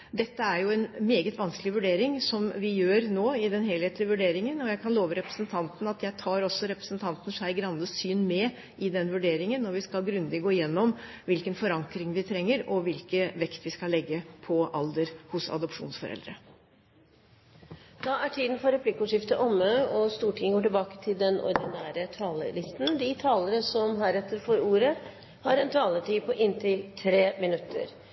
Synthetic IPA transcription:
d̪ɛt̪ːəæɾjʊɛnmeːɡət̪ʋɑnsklɪʋʉɖeːɾɪŋsɔmʋɪjøːɾnoːɪd̪ɛnɦeːlheːt̪lɪʋʉɖeːɾɪŋənɔjæɪkʰɑnloːʋəɾɛpɾəsənt̪ʰɑnt̪n̩ɑt̪jæɪt̪ʰɑːɾɔsːɔɾɛpɾəsnt̪ʰɑnt̪n̩ʂæɪɡɾɑnd̪əsyːnmɛ | ʔɪd̪ɛnːʋʉɖeːɾɪŋənːɔʋɪskɑlɡɾʉnd̪ɪɡoːɪjɛnːɔm | ʋɪlkənfɔɾɑŋkɾɪŋʋɪt̪ʰɾɛŋːəɾɔʋɪlkəʋɛkt̪ʋɪskɑlːɛɡːəpʰɔʔɑld̪əɾhʊsɑ̰d̪ɔpʂṵːnsfɔɾɛ̰ld̪ɾə | d̪ɑæʈʰiːd̪n̩fɔɾɛpʰlɪkːʊʂɪft̪əʔɔməɔst̪uːʈʰɪŋəɡoːʈɪlbɑːkə̥t̪ʰɪld̪ɛnɔ̰ɾd̪ɪnæːɾət̪ʰɑːlə̰lɪst̪n̩d̪ɪt̪ʰɑːləɾəsɔmɦæːɾɛt̪ːəɾfoːɾuːɾə | hɑɾɛnt̪ʰɑːlət̪ʰiːpʰɔʔɪnt̪ʰɪlt̪ʰɾeːmɪnʉt̪ʰːə̰ɾ

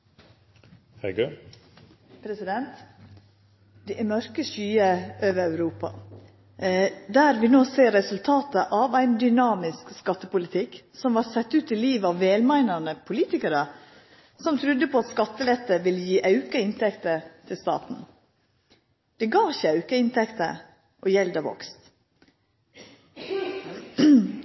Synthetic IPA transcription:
hɛɡʉ | pʰɾɛsɪd̪ɛnt̪ | d̪̥ɛʔɛmœɾkəʃyːəʔøːʋəɾæʉɾuːpɑ̰ | d̪æːɾʋɪnoːseːɾːɛsʉlt̪ʰɑːt̪əʔɑʋæɪnd̪ʏnɑːmɪskskɑt̪ːəpʊlɪt̪ʰɪksɔmʋɑɾsɛt̪ːʉːt̪ɪliːʋəɑʋːeːlmæɪnɑnəpʰʊliːt̪ɪkəɾə | sɔmt̪ʰɾʉd̪ːəpʰɔɑt̪skɑt̪ːəlɛt̪ːəʋɪljiːʔɑʉkəɪnt̪ʰɛkt̪ət̪ʰɪlst̪ɑ̰ːt̪n̩ | d̪̥ɛɡɑːçəɑʉkəɪnt̪ʰɛkt̪ə̰ | ʔɔjɛld̪ɑʋɔ̰kst̪

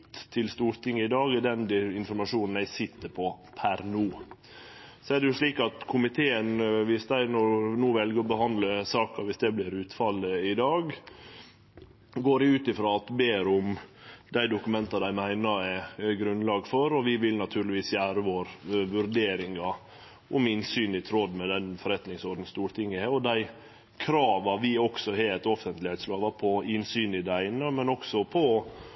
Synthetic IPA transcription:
t̪t̪ʰːɪlst̪uːɾt̪ɪŋːəɪd̪ɑːɡɛd̪ɛnd̪ɪɪnfɔɾmɑʂuːnn̩æɪsɪt̪ːəpʰɔpʰæɾnuː | sɔæːɖɛjʊʂɭiːkɑt̪kʰʊmɪt̪ʰeːənʋɪsd̪æɪnɔɾnuːʋɛlɡəɾɔbəɦɑnd̪ləsɑːkɑʋɪsd̪ɛblɪɾʉːt̪fɑlːəɪd̪ɑːɡ | ɡoːɾɪʉːt̪ɪfɾɑːɑt̪beːɾʊm | d̪æɪd̪ʊkʉmɛnt̪ɑd̪æɪmæɪnəɛɡɾʉnlɑːɡfɔɾɔʋɪʋɪlnɑt̪ʰʉːɾɭɪʋiːsjæːɾəʋoːɾʋʉɾd̪eːɾɪŋɑ | ʔʊmɪnsyːnɪt̪ʰɾɔd̪mɛd̪ɛnfɔɾɛt̪nɪŋsɔɾɖ̪n̩st̪uːɾt̪ʰɪŋːəeɔd̪æɪ | kʰɾɑːʋɑʋɪɔksɔɦeːt̪ɔfənt̪lɪheːt̪sloːʋɑpʰɔɪnsyːnɪd̪æɪnəmɛnɔksɔpʰɔ

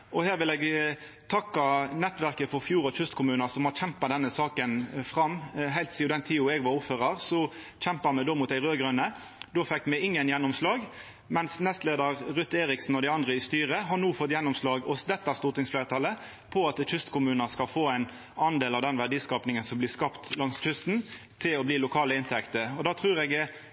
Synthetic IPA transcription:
ʔɔhæːʁʋɪlɛɡ | t̪ʰɑkːɑnɛt̪ːʋæʁkəfɔɾfjuːʁɔçʉst̪kʰʊmʉːnəsɔmhɑçɛmpɑd̪ɛnːəsɑːkənfʁɑmːɦæɪlt̪siːʊd̪ɛnt̪ʰiːʊɛɡʋɑɾʊpføːʁɑʁsɔ | çɛmpəɾmɛd̪oːmʊt̪æɪʁøːɡɾʉnːə | d̪oːfɛkːmɛɪŋːənjɛnːɔmslɑːɡ | mɛnsnɛst̪leːd̪əʁɾʉt̪ːeːɾɪksn̩ɔd̪ɪɑnd̪ʁəɪst̪yːʁəɦɑnuːfɔt̪ːjɛnːʊmslɑːɡɔsd̪ɛt̪ːæʁst̪ʊʁt̪ɪŋsfleːʁɾət̪ʰɑlːə | pʰɔɑt̪çʰʏst̪kʊmʉːnəskɑlfoːæɪn | ɑnd̪eːlɑʋd̪ɛnʋæɖ̪iːskɑːpnɪŋənsɔmblɪskɑpt̪lɑŋsc͡çʏst̪n̩ | t̪ʰɪlɔbliːlʊkʰɑːləɪnt̪ʰɛkt̪əɔd̪ɑːt̪ʰʁʉːɾɛɡ

